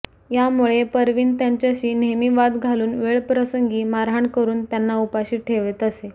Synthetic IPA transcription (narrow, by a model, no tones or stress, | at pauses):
jamuɭepəɾʋiːnt̪jaɲt͡ɕjaɕiːnemiʋad̪ɡʱaluːnʋeɭpɾəsəŋɡiːmaɾɦaɳkəɾuːnt̪janːaupaɕiːʈʰeʋet̪əse